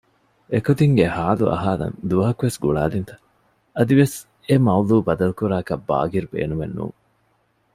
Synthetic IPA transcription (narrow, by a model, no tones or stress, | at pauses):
ekot̪iŋɡehaːluʔɐ̰ɦaːlɐ̰nd̪uʋɐɦɐkuʋesɡuɭaːlint̪ɐ̥ | ɐd̪iʋes | emɐuluːbɐd̪ɐlukuɾaːkɐbːa̰ːɡiɾubḛːnumenːṵːŋ